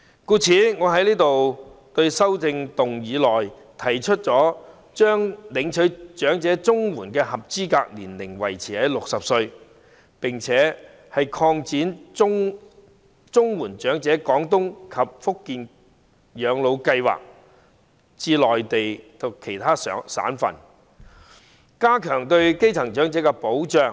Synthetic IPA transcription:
kuː˧t͡sʰiː˨˥ŋɔː˨˧ɦɐ˨˥jliː˥t̪o˨wt̪ɵ˧ɥsɐ˥wt͡sɪ˧ŋt̪ʊ˨ŋjiː˨˧lɔː˨j | t̪ʰɐ˨˩jt͡ʃʰɵ˥t̚t͡sɔː˨˥ | t͡ʃœː˥ŋlɪ˨˧ŋt͡ʃʰɵ˨˥t͡ʃœː˨˥ŋt͡sɛː˨˥t͡sʊ˥ŋwuː˨˩nkɛː˧hɐ˨p̚t͡siː˥kaː˧k̚nliː˨˩nlɪ˨˩ŋwɐ˨˩jt͡sʰiː˨˩hɐ˨˥jlʊ˨k̚sɐ˨p̚sɵ˧ɥ | pɪ˨ŋt͡sʰɛː˨˥ | hɐ˨jkʰɔː˧ŋt͡siː˨˥nʊ˥ŋ | t͡sʊ˥ŋwuː˨˩nt͡ʃœː˨˥ŋt͡sɛː˨˥kɔː˨˥ŋt̪ʊ˥ŋkʰɐ˨p̚fʊ˥kːiː˨n | jœː˨˧˥ŋlo˨˧wkɐ˧jwa̰ː˨˩k̚ | t͡siː˧lɔː˨jt̪e˨jt̪ʰʊ˨˩kʰe˨˩jt̪ʰaː˥sːsa̰ː˨˥nfɐ̰˨˩n | kaː˥kʰœː˨˩ŋt̪ɵ˧ɥke˥jt͡sʰɐ˨˩ŋt͡ʃœː˨˥ŋt͡sɛː˨˥kɛ˧po˨˥wt͡ʃœː˨ŋ

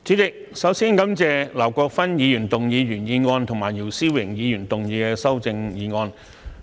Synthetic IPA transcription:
t͡siː˨˥t͡sɪ˨k̚sɐ˨˥wsiː˥nkɐ˨˥mt͡sɛː˧lɐ˨˩wkɔː˧k̚fɐ˥njiː˨˧jyː˨˩nt̪ʊ˨ŋjiː˨˧jyː˨˩njiː˨˧ŋɔː˧nt̪ʰʊ˨˩ŋmaː˨˩jiː˨˩wsiː˥wɪ˨˩ŋjiː˨˧jyː˨˩nt̪ʊ˨ŋjiː˨˧kɛː˧sɐ˥wt͡sɪ˧ŋjiː˨˧ŋɔː˧n

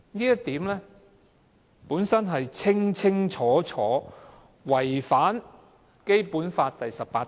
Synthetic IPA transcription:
niː˥jɐ˥t̚t̪iː˨˥mlɛː˥ | puː˨˥nsɐ˥nɦɐ˨jt͡sʰɪ˥ŋt͡sʰɪ˥ŋt͡ʃʰɔː˨˥t͡ʃʰɔː˨˥ | wɐ˨˩jfaː˨˥n | ke˥jpuː˨˥nfaː˧t̚t̪ɐ˨jsɐ˨ppaː˧t

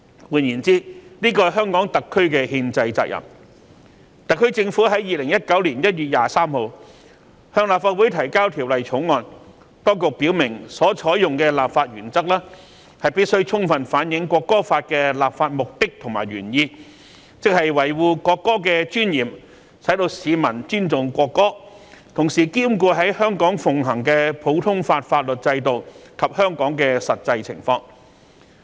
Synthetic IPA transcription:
wuː˨˧njiː˨˩nt͡siː˥niː˥kɔː˧ɦœː˥ŋkɔː˨˥ŋt̪ɐ˨kʰːɵ˥ɥkɛː˧hiː˧nt͡sɐ˧jt͡sa̰ː˧k̚jɐ̰˨˩m | t̪ɐ˨kʰːɵ˥ɥt͡sɪ˧ŋfuː˨˥ɦɐ˨˥jːiː˨lɪ˨˩ŋjɐ˥t̚kɐ˨˥wliː˨˩njɐ˥t̚jyː˨t̚jaː˨saː˥mho˨˧w | hœː˧ŋlaː˨p̚faː˧t̚wu˨˥jt̪ʰɐ˨˩jkaː˥wt̪ʰi˨˩wlɐ˨jt͡sʰʊ˨˥ŋŋɔː˧n | t̪ɔː˥ŋkʊ˨k̚piː˨˥wmɪ˨˩ŋsɔː˨˦˥t͡sʰɔː˨˥jʊ˨ŋkɛː˧laː˨pfaː˧t̚ɥyː˨˩nt͡sɐ˥k̚laː˥ | hɐ˨jpiː˥t̚sɵ˥ɥt͡sʰʊ˥ŋfɐ˨nfaː˨˥njɪ˨˥ŋkʷɔː˧kːɔː˥faː˧t̚kɛː˧laː˨p̚faː˧t̚mʊ˨k̚t̪ɪ˥k̚t̪ʰʊ˨˩ŋma̰ː˨˩jɥyː˨˩njiː˧ | t͡sɪ˨k̚hɐ˨jwɐ˨˩jwuː˨kʷɔː˧kːɔː˥k̬ɛː˧t͡ʃyː˥njiː˨˩m | sɐ˨˥jt̪o˧wsiː˨˧mɐ˨˩nt͡ʃyː˥nt͡sʊ˨ŋkʷɔː˧kːɔː˥ | t̪ʰʊ˨˩ŋsiː˨˩kiː˥mkuː˧ɦɐ˨˥jhœː˥ŋkɔː˨˥ŋfʊ˨ŋɦɐ˨˩ŋkɛ˧pʰo˨˥wt̪ʰʊ˥ŋfaː˧t̚faː˧t̚lɵ˨t̚t͡sɐ˧jt̪o˨wkʰɐ˨p̚hœː˥ŋkɔː˨˥ŋkɛː˧sɐ˨t̚t͡sɐ˧jt͡sʰɪ̰˨˩ŋfɔː˧ŋ

